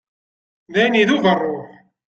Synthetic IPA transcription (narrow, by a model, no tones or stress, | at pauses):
ðæjniðuvərˤːoħ